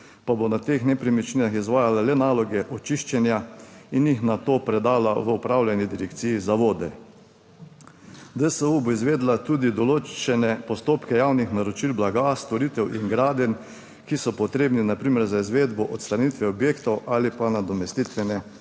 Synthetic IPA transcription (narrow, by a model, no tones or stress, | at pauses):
pabonat̪eːxnɛpɾimit͡ʃninaxizʋaːjalalɛnaːlɔɡɛʔɔt͡ʃiʃt͡ʃɛnjainjixnat̪oːpɾɛd̪aːlaʋəɔpɾawlʲjanid̪iɾɛkt̪sijizaʋoːd̪ɛ | d̪əsəuboizʋeːd̪lat̪uːd̪id̪ɔloːt͡ʃɛnɛpɔst̪oːpkɛjaːwnixnaɾot͡ʃilblaɡast̪ɔɾit̪ɛwʔiŋɡɾaːd̪jɛn | kisɔpɔt̪ɾeːbninapɾiːmɛɾzaizʋeːd̪bɔʔɔt̪st̪ɾanit̪ʋɛɔbjeːkt̪ɔwaːlipanad̪ɔmɛst̪it̪ʋɛnɛ